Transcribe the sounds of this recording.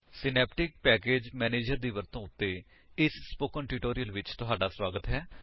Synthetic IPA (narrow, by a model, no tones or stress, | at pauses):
sɪnɛːpʈɪk̚pɛːkeːd͡ʒmɛːneːd͡ʒəɾd̪iːʋəɾt̪õːʊt̪ːeː | ɪssːpoːkəɳʈɪʈoːɾijəlʋɪt͡ʃt̪ʊɦaːɖaːswaːɡət̪ɦɛː